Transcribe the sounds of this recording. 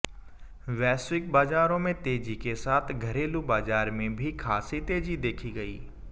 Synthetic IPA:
ʋɛːswɪk̚baːzaːɾõmẽt̪eːd͡ʑikesaːt̪ʰɡʱɐɾeːlubaːzaːɾmẽbʱikʰaːsit̪eːd͡ʑid̪eːkʰiɡɐḭː

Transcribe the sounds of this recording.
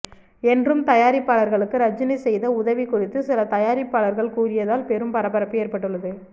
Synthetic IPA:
ɛndrɯmt̪ɐjaːɾɪpːaːɭɐɾɣɐɭɯkːɯɾɐd͡ʒːɪnɐɪsɛjðɐʊðɐʋikʊrɪt̪ːɯsɪlɐt̪ɐjaːɾɪpːaːɭɐɾɣɐɭkuːrɪjɐðaːlpɛɾɯmpɐɾɐpːɐɾɐpːɯjeːɾpɐʈːɯɭːɐðɯ

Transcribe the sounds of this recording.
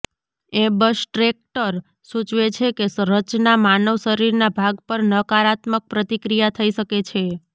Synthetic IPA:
ebəʃʈɾek̚ʈəɾ | sũt͡ʃʋet͡ʃʰekesɾət͡ʃnamanəʋʃəɾiɾnabʱaɡpəɾnəkaɾat̪mək̚pɾət̪ikɾijat̪ʰəiʃəket͡ʃʰe

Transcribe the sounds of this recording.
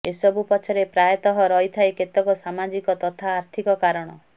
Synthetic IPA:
esɔbupɔt͡ʃʰɔɾepɾajɔt̪ɔɦɔɾɔɦit̪ʰaeket̪ɔkɔsamad͡ʒikɔt̪ɔt̪ʰaːɾt̪ʰikɔkaɾɔɽ̃ɔ

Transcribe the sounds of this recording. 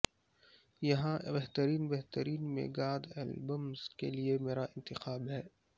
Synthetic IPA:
jɐɦãbɛɦt̪əɾiːnbɛɦt̪əɾiːnmḛːɡaːd̪ɛ̰ːlbəmz̥kḛliemeːɾaʔɪ̃nt̪ɪxaːbɦɛː

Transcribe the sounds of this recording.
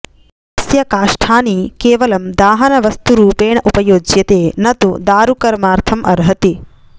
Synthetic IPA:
ɐsjɐkaːʂʈʰaːniːkeːʋɐlɐmd̪aːɦɐnɐʋɐst̪uɾuːpeːɳɐʔupɐjoːd͡ʒjɐt̪eːnɐt̪ud̪aːɾukɐɾmaːɾt̪ʰɐmʔɐɾɦɐt̪i

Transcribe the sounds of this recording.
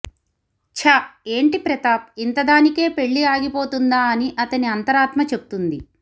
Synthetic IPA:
t͡ʃʰae̞ːɳʈipɾɛt̪aːp̚int̪ɐd̪aːnike̞ːpe̞ɭːiaːɡipo̞ːt̪und̪aːɐniʔɐt̪ɐniɐnt̪ɐɾaːt̪mɐt͡ʃe̞but̪und̪i

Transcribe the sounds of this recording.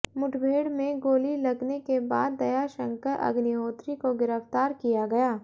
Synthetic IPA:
mʊʈʰbʱeːɽmẽɡoːlilɐɡnekeba̰ːd̪ːɐjaʃə̃ŋkəɾʔɐ̰ɡniɦoːt̪ɾikoɡɪɾəft̪aːɾkijaɡɐjaː

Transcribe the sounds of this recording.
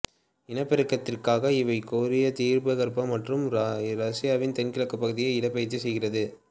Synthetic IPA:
ɪnɐpːɐɾɯkːɐt̪ːɪrkaːɣɐɪʋɐɪkoːɾɪjɐt̪iːɾbɐɣɐɾpɐmɐʈrɯmɾɐsɪjaːʋɪnt̪ɛnkɪɭɐkːɐpːɐɣɯðɪjɐɪɪɽɐpːɐjɐt͡ʃːɯsɛjɣɪrɐðɯ

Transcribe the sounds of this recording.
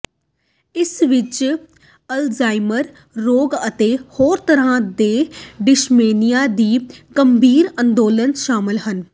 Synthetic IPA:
ɪsʋɪt͡ʃ | əlzaːɪməɾː | oːɡət̪eːhoːɾt̪əɾãːd̪eːɖɪʃmeːnijaːd̪iːɡəmbʱiːɾə̃nd̪oːlənʃaːmɪlɦən

